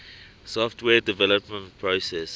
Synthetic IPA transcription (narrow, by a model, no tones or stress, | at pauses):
sɔftʰwɛːdivɛləpmə̃ntpʰɹosɛs